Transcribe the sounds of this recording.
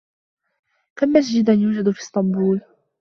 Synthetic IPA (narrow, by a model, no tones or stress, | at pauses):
kamːas̬d͡ʒɪd̪anjuːd͡ʒad̪fiːst̪ɑmbuːl